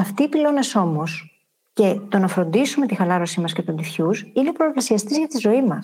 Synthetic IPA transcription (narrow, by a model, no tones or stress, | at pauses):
ɐft̪iːpilo̞ne̞so̞mo̞s | ce̞t̪o̞nɐfɾo̞nd̪isume̞t̪ixɐlɐɾo̞simɐsce̞t̪und̪ifçusine̞pɾo̞plɐsiɐst̪izʝɐt̪izo̞imɐs